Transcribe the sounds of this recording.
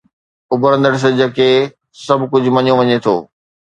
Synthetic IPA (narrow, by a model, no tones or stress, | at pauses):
ʊbʱɾə̃nd̪əɽs̬əd͡ʑɐke | sɐbʱkʊd͡ʑʱʊ̆mɐɲõʋɐɲet̪ʰo̰ː